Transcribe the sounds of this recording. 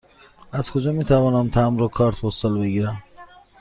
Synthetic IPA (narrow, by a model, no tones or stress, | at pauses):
æz̥kʰod͡ʒɒːmiːt̪ʰævɒːnæmt̪ʰæmɾokʰɒːɾt̪ʰpost̪ɒːlbe̞ɡiːɾæm